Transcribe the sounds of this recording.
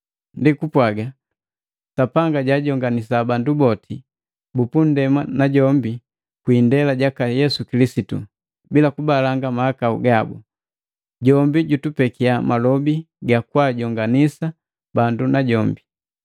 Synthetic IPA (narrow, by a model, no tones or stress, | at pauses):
ndikupwaɡa | sapaŋɡaɟaɟɔŋɡanisabandubɔtʰi | bupun̩dɛmanaɟɔmbi | kwiːndɛlaɟakajɛsukilisitṵ | bilakubalaŋɡamahakaṵɡabṵ | ɟɔmbiɟutupɛkiamalɔbi | ɡakwaɟɔŋɡanisa | bandunaɟɔmbi